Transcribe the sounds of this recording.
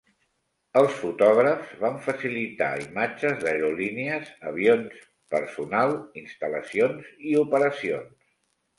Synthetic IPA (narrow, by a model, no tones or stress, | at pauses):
əlˠsfut̪ɔɣɾəfzβaɱfəsilit̪a̰imad͡ʒəzðəɾuliniəzəβ̞ions | pə̰ɾsunalˠinst̪ələsionziupəɾəsions